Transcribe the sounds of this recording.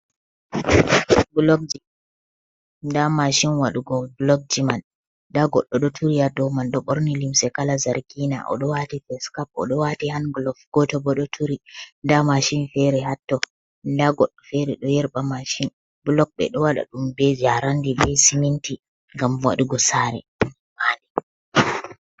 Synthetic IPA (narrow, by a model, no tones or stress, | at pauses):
blɔk̚d͡ʒi | damaʃinwaɗuɡɔblɔk̚d͡ʒiman | daɡɔɗːɔɗɔtʰuɾijadɔmanɗɔɓɔɾnilimsɛkalazaɾkina̰ʔɔ̰ɗɔwatifɛskap̚ɔ̰ɗɔwatɛhanɡlɔfɡ̥ɔtɔbɔɗɔtʰuɾindamaʃinfɛɾɛhatːɔ | daɡɔɗːɔfɛɾɛɗɔjɛɾɓamaʃin | blɔk̚ɓɛ̰ɗɔwaɗa̰ɗumbɛd͡ʒaɾandibɛsiminti | ŋɡamwa̰ɗuɡɔsaːɾɛ̰ | manɛ